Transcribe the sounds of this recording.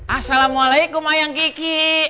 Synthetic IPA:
ʔasalamualaik̚omajaŋkiki

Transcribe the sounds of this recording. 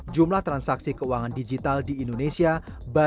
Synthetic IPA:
d͡ʒumlaht̪ɾansaksikəuaŋandid͡ʒit̪aldiːndonesia | ba

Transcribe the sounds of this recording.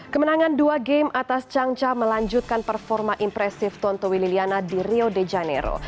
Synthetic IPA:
kəmənaŋanduaɡɛmat̪ast͡ʃaŋt͡ʃaməlaɲd͡ʒut̪̚kanpərfɔrmaʔimpɾɛsɪft̪ɔnt̪owililianadiriodɛd͡ʒanḛɾo̰

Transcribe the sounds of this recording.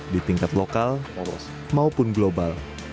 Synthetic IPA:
dit̪iŋkat̪lokal | maupʊnɡlobal

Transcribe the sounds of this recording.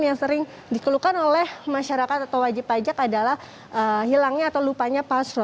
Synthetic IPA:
njaŋsəɾɪŋ | dikəlukanolɛhmaʃaɾakat̪̚at̪awwad͡ʒɪpːad͡ʒakadalah | ʔəhilaŋɲaːt̪awlupaɲapasɾɔ

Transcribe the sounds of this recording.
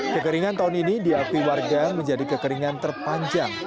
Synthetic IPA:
kəkəɾiŋant̪aɦʊninidiakuiwarɡaməɲd͡ʒadikəkəɾiŋant̪ərpaɲd͡ʒaŋ

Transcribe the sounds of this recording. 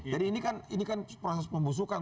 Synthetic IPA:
d͡ʒadiːnikaninikanpɾosɛsməmbus̬ukan

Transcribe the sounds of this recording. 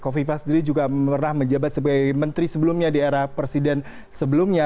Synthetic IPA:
kofifasdəɾid͡ʒuɡaərnahməɲd͡ʒabat̪̚səbaɡajmənt̪ɾisəbəlʊmɲadieɾahpɾesidɛn | səbəlʊmɲa

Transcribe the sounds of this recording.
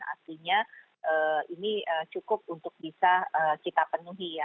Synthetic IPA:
a̰rt̪iɲa | ʔəːiniət͡ʃukʊp̚unt̪ʊk̚bisaəkit̪apənuɦija

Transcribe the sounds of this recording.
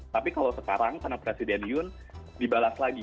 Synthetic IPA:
t̪apikalowsəkaɾaŋkarnapɾesidɛnijʊn | dibalaslaɡi

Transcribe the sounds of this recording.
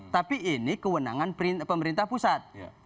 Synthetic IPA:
t̪apiʔːnikəwəna̰ŋanpɾipəməɾint̪ahpusat̪̚

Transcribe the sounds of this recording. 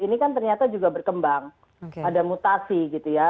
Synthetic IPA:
inikant̪̬ərɲat̪ad͡ʒuɡabərkəmbaŋ | okeadamut̪asiɡit̪uja

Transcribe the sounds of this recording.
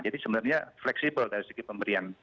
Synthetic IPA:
d͡ʒadisəbənarɲaflɛksibəldaɾisəɡipəmbəɾian

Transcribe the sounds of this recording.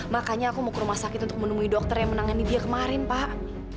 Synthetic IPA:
makaɲaːkumakəɾumahsakɪt̪unt̪ʊ̥k̚mənumuidok̚t̪ərjaŋmənaŋanidiakəmaɾɪnpaʔ

